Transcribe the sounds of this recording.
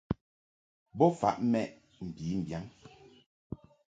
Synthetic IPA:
bɔ˦fa̰˦ʔmɛ˦˨ʔ | m̩˨biː˨˦m̩˨bja˦ŋ

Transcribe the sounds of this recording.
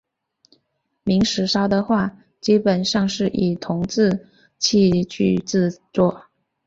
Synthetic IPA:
mi˧˥ŋʂɻ̩˧˥ʂɑ˥ʊd̪ə˨xwa˥˩ | t͡ɕi˥pə˨˩nʂɑ˥˧ŋʂɻ̩˥˩ʔi˨˩t̪ʰʊ˧˥ŋt͡sɹ̩˥˧ | t͡ɕʰi˥˧t͡ɕʰy˥˧t͡sɹ̩˥˧t͡swɔ˥˩

